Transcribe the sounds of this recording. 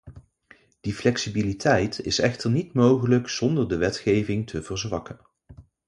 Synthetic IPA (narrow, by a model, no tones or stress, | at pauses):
d̥iflɛksibilitʰɛjtɪsɛχtəɹnitmowχələkz̥ɔndəɹdəʋɛtχejvɪŋtʰəvərzʋɑkən